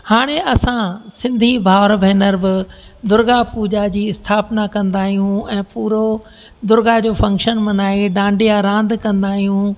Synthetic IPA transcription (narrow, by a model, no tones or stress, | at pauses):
haːɽ̃eɐsãsɪ̃nd̪ʱibʱaːʋɾbʱɛːnəɾbɪd̪ʊɾɡapuːd͡ʑad͡ʑiːɪst̪ʰaːpnakɐ̃nd̪aːɦijũɛ̃ːpuːɾo | d̪ʊɾɡad͡ʑoːfɐ̃ŋkʃənmɐnaːeɖãːɳɖijaɾãːnd̪kɐ̃nd̪aːɦijũ